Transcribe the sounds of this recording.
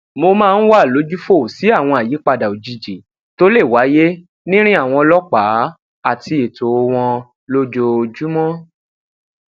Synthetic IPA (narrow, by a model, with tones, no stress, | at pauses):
mo˧mãː˦˧n̩˦wa˦˨lo˨˦d͡ʒu˦fo˦˨si˨˦a˦˨w̃ɔ̃˧˨a˨ji˨˦k͡pa˧da˨o˨d͡ʒi˧d͡ʒi˨ | to˦le˦˨wa˨˦je˦ | nĩ˦ɾ̃ĩ˦a˦˨w̃ɔ̃˧ɔ˧lɔ˦k͡pa˨˦ | a˦˨ti˧e˨to˨o˧w̃ɔ̃˧ | lo˦d͡ʒo˧d͡ʒu˦mɔ̃˦